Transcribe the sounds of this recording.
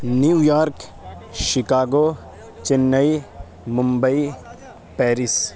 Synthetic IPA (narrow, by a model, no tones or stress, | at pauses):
njijaːɾk | ʃɪkaːɡo | t͡ʃɪnːɐi | mʊmbəi | pɛːɾɪs